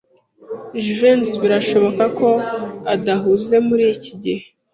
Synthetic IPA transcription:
ʒuvensβiɾaʃo̞βo̞kako̞adaɦuze̞muɾiːciɟihe

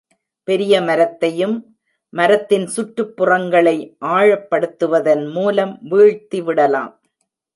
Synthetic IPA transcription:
pɛɾɪjɐmɐɾɐt̪ːɐjɯmː | ɐɾɐt̪ːɪnsʊʈrɯpːɯrɐŋɡɐɭɐɪʔaːɻɐpːɐɽɯt̪ːɯʋɐðɐnmuːlɐmʋiːɻt̪ːiʋɪɽɐla̰ːm

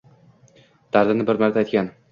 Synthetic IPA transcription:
d̪̥aɾd̪ɪnɪbɪɾmaɾt̪ʰajt̪̚ʲkʲan

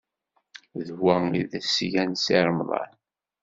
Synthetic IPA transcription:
ðwæḭðæsjænsiɾˤmðˤɑ̰n

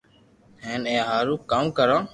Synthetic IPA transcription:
hẽːnẽːɦaːɾũːkːaːmkəɾãː

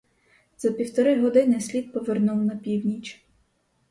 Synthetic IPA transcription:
z̥ɐpʲiwt̪ɔɾɪɦɔd̪ɪnɪsʲlʲid̪̚pɔʋernuwnɐpʲiwnʲit͡ʃ

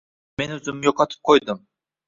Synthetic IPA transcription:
menøzymijoqʰɑt̪ʰɯ̥p̚qʰojd̪ʊm

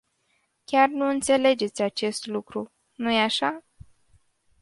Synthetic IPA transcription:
kʲarnuɨnt̪se̞le̞d͡ʒe̞t̪sʲat͡ʃe̞st̪lukɾu | nujeaʃa

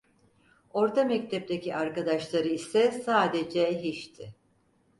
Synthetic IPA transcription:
o̞ɾt̪amɛc̚t̪ʰɛp̚t̪ʰeciʔaɾkad̪aʃlˠaɾɯisɛsaːd̪ed͡ʒɛɦiʃt̪ʰɪ

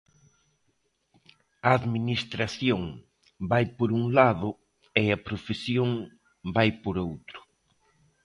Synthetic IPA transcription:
ɐaðminist̪ɾaθjoŋ | bajpoɾuŋlaðʊ | eɐpɾofesjoŋ | bajpoɾowt̪ɾʊ̥

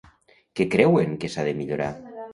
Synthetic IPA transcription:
kekɾɛweŋkesaðemiʎoɾa̰

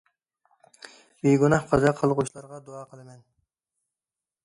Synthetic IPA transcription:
beɡʲunɑhqʰɑzɑqʰəlˠʁʊʃlˠɑɾʁɑd̪oɑːqʰəlˠɨmɛn

